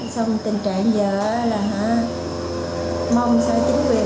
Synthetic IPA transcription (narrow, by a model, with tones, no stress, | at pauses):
sa˧wŋ͡mt̪ï˨˩ŋ̟t͡ɕa̰ː˧˨ŋzəː˨˩˦laː˨˩ɦa˧˦ | mə˧wŋ͡msa˧t͡ɕï˨˦ŋvi˨˩